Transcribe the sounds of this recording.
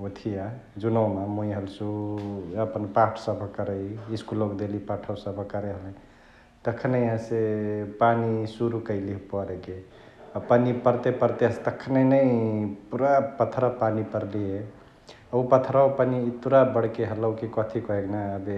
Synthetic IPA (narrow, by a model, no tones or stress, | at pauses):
ut̪ʰija | d͡ʒunəwmamoiɦəlsu | əpənpaʈʰsəbʱəkəɾəjiskulokd̪elipaʈʰəsəbʱəkəɾeɦələ̃ | t̪əkʰnəiɦə̃sepanisuɾukəɪlipɔɾeke | əpanipəɾt̪epəɾt̪eɦəst̪əkʰːneinəipuɾapət̪ʰɾapanipəɾlije | əupət̪ʰɾawpanit̪uɾabəɽkeɦələwkikɔt̪ʰikɔɦeknaəbe